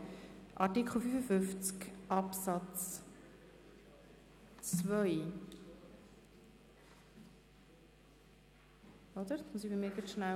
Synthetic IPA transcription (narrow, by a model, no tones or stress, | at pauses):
ʔɑtikχl̩ˠfyfəfʏft͡skʔɑpsɑt͡s | t͡svœʏ | ɔdəɾdsmusibimiːɡətʃna